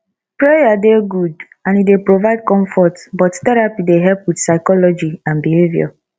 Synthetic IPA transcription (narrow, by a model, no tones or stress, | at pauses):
pɾejadeɡud | ãnidepɾovaɪd̚kɔ̃ɱfɔtbɔttɛɾapideɦɛlpwitsaɪkɔlɔd͡ʒiãnbiɦevja̰